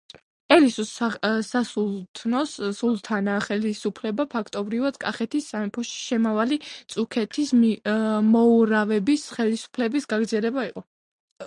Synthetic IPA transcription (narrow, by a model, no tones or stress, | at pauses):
ɛlisussasulˠt̪ʰnɔsulˠt̪ʰanaχɛlisupʰlɛbapʰakʰt̪ʼɔbɾivad̪̥kʼaχɛt̪ʰisːamɛpʰɔʃi̥ʃɛmavalit̪sʼukʰɛt̪ʰis | mɔuɾavɛbisχɛlisu̥pʰlɛbisɡaɡɾd̪zɛlɛbaiqʼɔ